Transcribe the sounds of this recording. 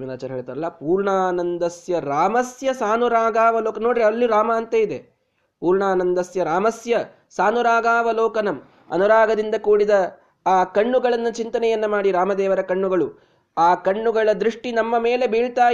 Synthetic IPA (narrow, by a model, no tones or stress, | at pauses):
minaːt͡ʃɐɾɦeːɭt̪aːɾɐlːɐpuːɾɳaːnɐnd̪ɐsjɐɾaːmɐsjɐsaːnuɾaːɡaːʋɐloːkɐnoːɽiɾiɐlːiɾaːmɐːnt̪ɐid̪e | puːɾɳaːnɐnd̪ɐsjɐɾaːmɐsjɐ | saːnuɾaːɡaːʋɐlɔːkɐnɐm | ɐ̰nuɾaːɡɐd̪ind̪ɐkuːɽid̪ɐ | aːkɐɳːuɡɐɭɐnːut͡ʃint̪ɐnɛjɐnːumaːɽiɾaːmɐd̪ɛːʋɐɾɐkɐɳːuɡɐɭu | aːkɐɳːuɡɐɭɐd̪ɾiʂʈinɐmːɐme̞ːle̞biːɭt̪aː